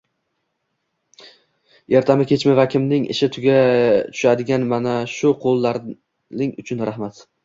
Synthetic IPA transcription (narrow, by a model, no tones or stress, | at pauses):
jeɾt̪ʰamɪkʲʰe̞t͡ʃmavakʲʰɪmnɪŋɪ̰ʃɪt̪ʰʊɡʲat̪ʰʊ̥ʃad̪ɪɡʲanmanaʃʊqʰolˠːaɾ | nɪŋʊt͡ʃʰʊnɾahmat̪